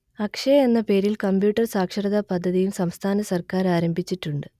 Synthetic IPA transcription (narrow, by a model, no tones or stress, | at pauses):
ɐkʂɐenːɐpe̞ːɾilkɐmbjuːʈːɐrsaːkʂɐɾɐðapɐd̪ʱːɐðijumsɐmst̪ʰaːnɐsɐrkaːɾaːɾɐmbʱit͡ɕːiʈːuɳɖɨ